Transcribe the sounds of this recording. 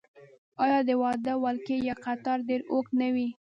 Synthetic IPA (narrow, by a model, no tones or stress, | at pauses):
ɑjɑd̪əwɑd̪awalkejaqat̪ɑɾɖeɾoknawi